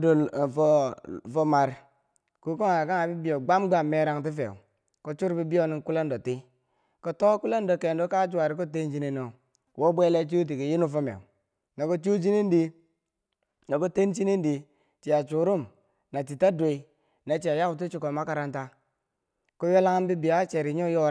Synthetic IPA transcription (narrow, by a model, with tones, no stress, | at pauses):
do˨fo˦˨fo˦ma˨ɾ | ku˦ko˦ŋa˨ka˦ŋa˨bi˦bi˨jo˨ɡ͡ba˦mɡ͡ba˦˨mːe˦ɾa˦ŋt̬i˦fḛ˨ṵ˨ | ko˦t͡ʃu˦ɾbi˦bi˦jo˦ni˦ŋ˦ku˦le˦ndo˨ti˦ | ko˨to˦ku˦le˦ndo˨ke˨ndo˦ka˦d͡ʒu˦wa˨ɾi˦k̬o˦t̬e˦nd͡ʒi˦ni˦no˨ | wʔo˦bʷe˦le˦t͡ʃu˦t̬i˨ki˨ji˦nu˦fo˦mḛ˨u˨ | no˨ko˦t͡ʃu˦d͡ʒi˦ni˦n˦di˦ | na˨ko˦te˦nt͡ʃi˦ni˦ndi˨ | t͡ʃi˨ja˨t͡ʃu˨ɾu˦˨m | na˨t̬i˨ta˦do˨i˦ | na˨t͡ʃi˨a˨ja˦u˨t̬i˦t͡ʃu˨ko˨ma˦ka˨ɾa˦nta˦ | ko˦jo˦la˦ŋ˦bi˦bi˨ja˦t͡ʃe˨ɾi˨˦ɲo˦jo˦